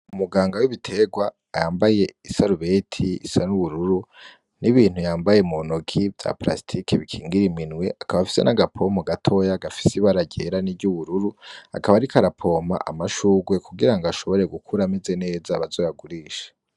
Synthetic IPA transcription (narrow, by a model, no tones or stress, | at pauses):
umuɡaːŋɡawiβitʰe̞ɡwaːjaːmbaje̞isaɾuβe̞tʰiḭsanuβuɾuɾu | niβiːn̥hujaːmbaje̞monokʰivja̰pla̰stʰikʰeβikʰiːŋɡiɾiminweʔakaβafi̥se̞̰nʔaɡapʰo̞moɡatʰo̞jaɡafi̥siβaɾaɟe̞ɾaniɟuβuɾuɾua̰kaβaɾikʰaɾapʰo̞ma̰ʔa̰maʃuɡwe̞kuɡiɾaŋɡaʃo̞βo̞ɾe̞ɡukʰuɾame̞ze̞ne̞ːzaβazo̞jaɡuɾiːʃḁ